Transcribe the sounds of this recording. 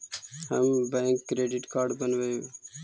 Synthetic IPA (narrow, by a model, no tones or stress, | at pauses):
ɦəmbɛ̃ːŋkːɾeːɖɪʈkaːɾɖbənʋəjo